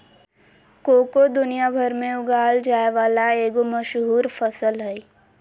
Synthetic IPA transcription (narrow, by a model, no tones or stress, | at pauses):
koːkod̪ʊnijabʱəɾmẽʊɡaːld͡ʒaːeʋaːlaeːɡoməʃɦuːɾfəsəlɦɛ